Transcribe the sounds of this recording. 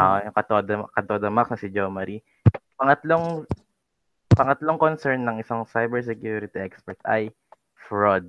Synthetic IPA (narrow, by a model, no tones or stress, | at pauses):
ajʊŋkɐt̪od̪ɐkɐd̪od̪ɐmaksnɐsɪd͡ʒomɐɾi | pɐŋɐt̪loŋ | pɐŋɐt̪loŋkonsɛɹnːɐŋɪsaŋsajbɛɹs̬ɛkjuɾɪt̪iʔɛkspɛɹt̪ʔɐj | fɹod̪̚